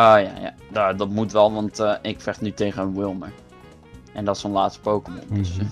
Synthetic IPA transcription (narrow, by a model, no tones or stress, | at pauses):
oːja̰ja̰dadɑtmutʋɛlˠʋɑntːʔɪkfɛχtnytejχənənwɪlˠməɹ | ɛndɔtsonlaːtstpowkəmɔ̰ndəsə